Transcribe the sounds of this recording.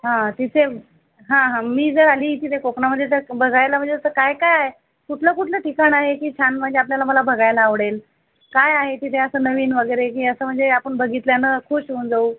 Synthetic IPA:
ɦãt̪it̪ʰe | ɦãɦãmiːd͡zəɾaliːt̪it̪ʰekokɳam̤əd̪ʱjet̪̬əɾbʱəɡajlam̤əɳd͡zesəɾkajkajaɦe | kuʈʰləkuʈʰləʈʰikaɳaɦekiːt͡ɕʰanm̤əɳd͡zeap̬ljalaməlabʱəɡajlaːʋɽel | kajaɦet̪it̪ʰeəsəːnəʋiːnʋəɡəjɾek̬iːəsəːm̤əɳd͡zeapəɳbʱəɡit̪ljanəkʰuːɕʋənd͡zauː

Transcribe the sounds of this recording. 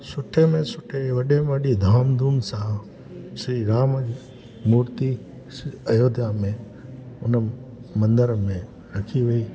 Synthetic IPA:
sʊʈʰemẽsʊʈʰeʋɐɗeməɗid̪ʱaːmd̪ʱuːmsaː | sɾiːɾaːm | muːɾt̪i | səjoːd̪jamẽ | ʊnəmɐ̃nd̪əɾmẽ | ɾɐkʰiʋeiː

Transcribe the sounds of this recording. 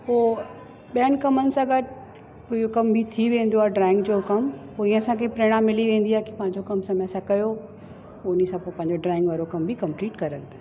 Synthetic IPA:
poː | ɓijənɪ̆kɐmənɪ̆sãɡɐɾ | poːijokɐmbʱit̪ʰiʋẽːn̆d̪oaːɖɾaːɪ̃ŋɡd͡ʑokɐmpoːĩːə̃ɐsãkʰepɾeːɽ̃ãmɪliʋẽːnd̪iaːɦeki̥pɐ̃ɦɪ̃ɲd͡ʑokɐmsɐməsãkɐjo | ʊnisãpoːpɐ̃ɦɪɲd͡ʑoɖɾaːɪ̃ŋɡʋaːɾokɐmbʱikɐ̃mpliːʈkɐɾəld̪oː

